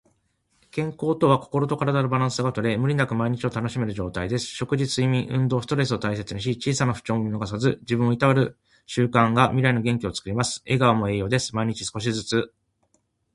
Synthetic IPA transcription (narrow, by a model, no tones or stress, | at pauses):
kẽ̞ŋko̞ːt̪o̞βako̞̥ko̞ɾo̞t̪o̞kaɾad̪aɾobaɾãɰ̃sɨɡat̪o̞ɾe̞mɯ̟ɾʲinakɯ̟maiɲ̟it͡ɕio̞t̪ano̞ɕime̞ɾɯ̟ʑo̞ːt̪aid̪e̞sɨ̥ɕo̞kɯ̟ʑisɨimʲĩɰ̃ʔɯ̟̃nd̪o̞ːsɨ̥t̪o̞ɾe̞sɨo̞t̪ais̬e̞t͡sɨɲiɕ̬it͡ɕiːsanaɸɯ̟̥t͡ɕõ̞ŋinoɡasazɨd͡ʑibɯ̃ɰ̃oit̪aβaɾɯ̟ | ɕɨːkãŋɡamʲiɾaino̞ɡẽ̞ŋkʲio̞t͡sɨ̥kɯ̟ɾʲimasɨ̥e̞ɡaβamo̞e̞ːjo̞ːd̪e̞sɨ̥maiɲ̟it͡ɕi̥sɨ̥ko̞ɕ̬izɨt͡sɨ